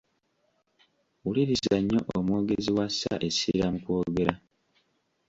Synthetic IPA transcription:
uliɾisaɲːo̞ʔomwo̞ːɡe̞ziwasːa̰ʔe̞siɾamukoːɡe̞ɾa

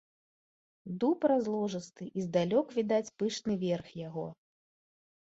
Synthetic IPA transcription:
d̪upɾazlˠɔʐɨst̪ɨʔizd̪alʲɔkvʲid̪at͡sʲpɨʂnɨvʲɛrxjaɣɔ

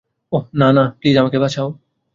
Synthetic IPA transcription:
onanapliːzamakebat͡ɕʰao

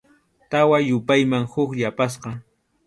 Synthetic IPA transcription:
t̪awajʊpajmaŋhʊkʎapas̬qɑ

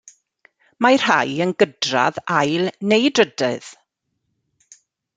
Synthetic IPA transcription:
mar̥hajənɡədra̰ðajlˠnejdrədɨð̥

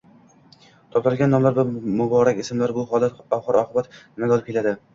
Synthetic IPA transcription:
t̪ʰɒp̚t̪aɾɪlʲɡʲanːɒmlaɾbʊmʊbɒɾakʲɪsɪmlaɾbʊhlat̪ɒfχɑɾɒqʰɨbat̪nɪmaɡ̪ɒlˠɪp̚kʰʲelad̪ɪ

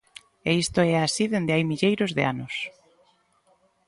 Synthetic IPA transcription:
eist̪oɛasiðend̪eajmiʎejɾozðea̰nʊs

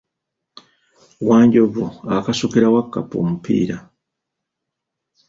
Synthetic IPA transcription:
waːɲɟoβoakasukiɾawakːa̰po̰ːmupḭːɾa

